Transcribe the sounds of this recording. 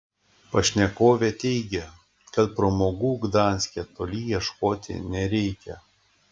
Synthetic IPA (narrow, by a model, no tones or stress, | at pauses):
pɐʃʲnʲɛkoːʋʲet̪ʲɛɪɡʲɛ | kɐt̪pɾoːmoːɡuːɡd̪ɑːˑnʲsʲkʲɛt̪oːlʲiːjiɛʃkoːt̪ʲɪ̰nʲɛɾʲɛɪkʲɛ